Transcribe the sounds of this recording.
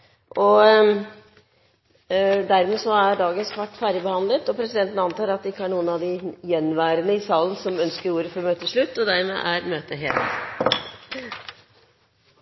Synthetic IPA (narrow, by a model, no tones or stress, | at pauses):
ʔɔ | d̪æɾmɛːsɔæɾɖɑːɡənskʰʋɑʈːfæːɾəbəhɑnlət̪ɔpʰɾɛsɪd̪ɛnt̪ənəɑnt̪ɑːɾɑt̪̚d̪ɛɪkːəhæɳuːənɑʋd̪ɪjɛnːʋæːɾənəɪsɑːlən̩sɔmœnskəɾuːɾəfɔɾɔmøːt̪ʰːəʂɭʉt̪ːɔd̪æɾmḛːʔæɾmøːt̪əɦḛːlt̪